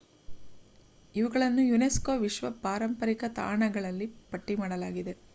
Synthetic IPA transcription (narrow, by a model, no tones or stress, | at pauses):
iʋuɡɐɭɐnːujuneskoːʋiʃʋɐpaːɾɐmpɐɾikɐt̪a̰ːɳɐɡɐɭɐlːipɐʈːimaːɽɐlaːɡid̪e̞